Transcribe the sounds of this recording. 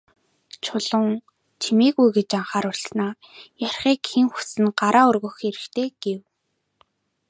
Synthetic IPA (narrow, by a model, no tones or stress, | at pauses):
t͡ɕʰʊɮʊ̆ŋ | t͡ɕʰimiːɣujɡet͡ɕaɴχaːɾʊɮsnaː | jar̥ʲχiːkxeŋxu̥sɘ̆nɢaɾaːʊrɣɵ̆xeɾɘ̆xt̪ʰeːɡ̥ew